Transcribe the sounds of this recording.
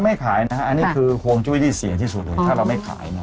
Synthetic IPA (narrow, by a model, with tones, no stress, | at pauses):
ma˥˩jkʰaː˩˦jna˦˥kʰa˦˥ʔa˧nːiː˦˥ɯː˧kʰu˧ŋt͡ɕu˥˩jt̪ʰiː˥˩si˨˩˦ŋt̪ʰiː˥˩su˨˩lɤː˧tʰaː˥˩ɾa˧wma˥˩jkʰa̰ː˩˦jna˧˦